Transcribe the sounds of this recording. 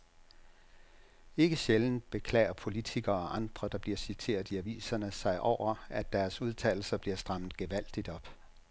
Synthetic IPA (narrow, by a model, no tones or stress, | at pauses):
e̝ɡ̥əɕeln̩b̥e̝kʰlɛ̰ɪɐpʰo̝lit͡sʰiɡ̥ɐːɒ̽ʔɑ̈nd̥ʁɐd̥ɑ̈b̥liɐsit͡sʰe̝̰ːɐðˠiæʋḭːsɐnəsɑ̈ɪʔɒʊ̰ɐæd̥æɐsuð̞ˠt͡sʰɛ̰ɪl̩sɐb̥liɐsd̥ʁɑ̈mð̩ˠɡ̥eʋæl̰d̥id̥ɒ̽b̥